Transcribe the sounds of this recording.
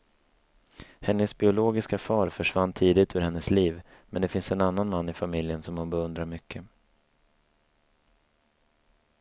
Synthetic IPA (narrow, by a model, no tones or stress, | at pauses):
hɛnːəsbɪʊloːɡɪskafɑːɾfœʂvanːt̪ʰiːd̪ɪt̪ʰʉːɾhɛnːəsliːvmɛnd̪ɛfɪnsɛnanːanmanːɪfamɪljənsɔmhʊnbɛɵnd̪ɾaɾmʏkʰːə